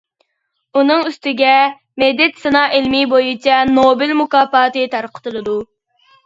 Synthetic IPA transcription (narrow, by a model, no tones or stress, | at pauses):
unɨŋyst̪ɪɡʲɛ | mɛd̪ːɛt̪sɨnɑːʔelmɪbojut͡ʃʰɛnobɪlmukɑːpɑːt̪ɨt̪ʰɑɾqʰə̥t̪ɨlˠɨd̪u